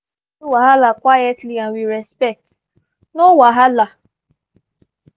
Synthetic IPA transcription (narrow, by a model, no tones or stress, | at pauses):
waɦalakʷwajɛtliãnwiɾɛspɛk̚t | nowaɦala